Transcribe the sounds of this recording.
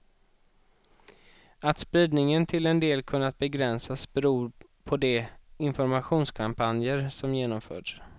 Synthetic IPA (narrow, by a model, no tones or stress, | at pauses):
at̪spɾiːd̪nɪŋənt̪ʰɪlɛnd̪eːlkʰɵnːat̪̚bɛɡɾɛnsasbɛɾuː | pʰɔd̪ɛɪnfɔɾmaɧuːnskʰampʰanjəɾsɔmjeːnɔmfœ̰ːɖs